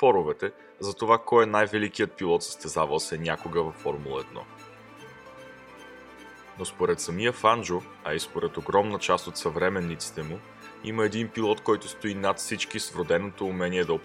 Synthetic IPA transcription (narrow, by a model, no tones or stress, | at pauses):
pɔɾʊvɛt̪ɛ | zɐt̪ovakɔjɛnajvɛlikijət̪̚pilˠɔt̪sə̥st̪ɛzavəlˠsɛnʲakoɡəvɐfːɔɾmulˠəɛd̪̚nɔ̰ | nospoɾɛt̪sɐmijəfand͡ʒʊ | ɐispoɾɛt̪oɡɾɔmnət͡ʃast̪ot̪sɐvɾɛmɛnːit̪si̥t̪ɛmʊ | ḭməɛd̪inpilˠɔt̪kɔjt̪ʊst̪oinat̪fsit͡ʃkisvɾʊd̪ɛnot̪oːmɛniɛd̪ɐo